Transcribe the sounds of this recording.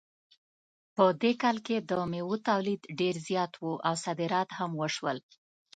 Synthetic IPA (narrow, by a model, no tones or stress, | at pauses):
pəd̪ekɑlked̪əmewut̪awlid̪ɖeɾzjɑt̪wuʔawsad̪ɪɾɑt̪hamwəʃwəl